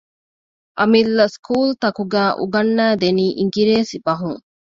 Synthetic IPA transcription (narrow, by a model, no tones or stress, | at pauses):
ʔɐmilːɐskʰuːlt̪ɐkuɡæːʔṵɡɐnːæːd̪eniːʔiŋɡiɾeːsibɐɦuŋ